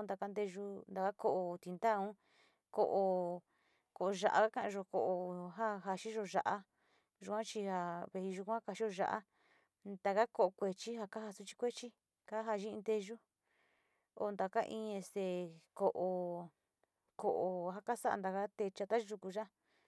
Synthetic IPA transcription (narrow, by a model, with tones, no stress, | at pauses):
nd̪a˨ka˧nd̪e˧ʒu˧nd̪a˨ka˦ko˧ʔo˧t̪i˧nd̪a˦˧ũ˦ | ko˧ʔo˧ | ko˨o˧ʒa̰˧ʔa̰˧ka˦kã˧ã˧ʒo˧ko˧˨ʔo˧ɦa˦ɦa˧ʃi˦ʒo˧ʒa̰˧ʔa˦ | ʒu˧kʷã˦t͡ʃi˧ha˧βe˧i˧ʒu˧kʷã˦ka˧t͡ʃi˦o˧ʒa̰˧ʔa̰˦ | nd̪a˧ka˦ko˧ʔo˧kʷe˧t͡ʃi˦ɦa˧ka˦ha˧su˦t͡ʃi̥˦kʷe˦t͡ʃi˦ | ka˦ɦa˧ʒi˦ĩ˧nd̪e˧ʒu˦ | o̰˧˨˧nd̪a˨ka˦ʔĩː˧˦˧e˧st̪e˧ko˨ʔo˧ | ko˨ʔo˧ɦa˦˧ka˦sa˦ʔa̰˧nd̪a˧ka˦t̪e˧t͡ʃa˧t̪a˦ʒu˧ku˧ʒa˦